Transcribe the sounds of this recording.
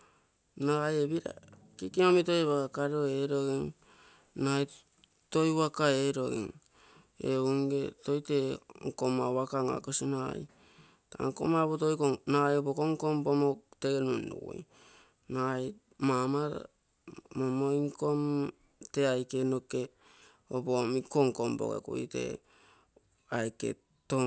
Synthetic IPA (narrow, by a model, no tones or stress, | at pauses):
naajebiɾa̰ | kikinomitojβakakaɾeoeɾoɡiŋ | naj | to̞jwakaeɾoɡḭŋ | ḛuŋɡeto̞jteŋko̞mawakaŋa̰kosinaa̰j | ta̰ŋko̰maβotojkoŋnajobokoŋko̞mbo̞mote̞ɡenunːṵwṵj | naj | mamaɾa̰ | momojŋkom | te̞ajkenoke̞ | obomiko̞ŋko̞mbo̰ɡḛkṵite̞̰ | ajke̞̰ | to